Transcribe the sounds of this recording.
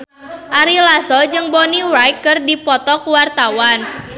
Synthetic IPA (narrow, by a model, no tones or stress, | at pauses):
ʔaɾilasɔd͡ʒɨŋbɔniwɾajkːɨrdipɔt̪ɔkuwart̪awan